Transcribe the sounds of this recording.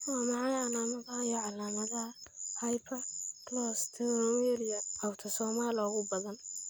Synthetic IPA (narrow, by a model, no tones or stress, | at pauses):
wɑːmɑʕɑjɐnaːmɐðɐijɔʕɑlaːmɐðɐhɐjpʰɐklɔst̪ʰiɾɔwɛlijɐɐwt̪ʰɐsɔːmaːlɔːɣʊbɐðɐn